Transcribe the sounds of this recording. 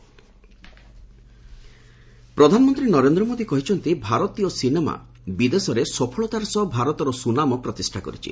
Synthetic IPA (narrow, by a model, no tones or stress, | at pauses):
pɾɔd̪ʱanɔmɔnt̪ɾinɔɾend̪ɾɔmod̪ikɔɦit͡ʃʰɔnt̪ibʱaɾɔt̪iɔsinema̰ | bid̪esɔɾesɔpʰɔɭɔt̪aɾsɔbʱaɾɔt̪ɔɾɔsunamɔpɾɔt̪isʈʰakɔ̰ɾit͡ʃʰḭ